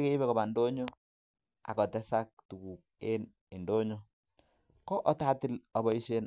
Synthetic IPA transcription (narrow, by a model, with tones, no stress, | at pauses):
ke˦i˦bɛ˦kɔ˨ba˨ndo˦ɲo | a̰˨kɔ˨tɛ˦sak̚tu˨ku˨k̚e˦n | i˨ndo˦ɲo˦ | kɔ˦ʔɔ˦ta˦tɪ˦lɔ˨bɔ˦i˦ʃe˦n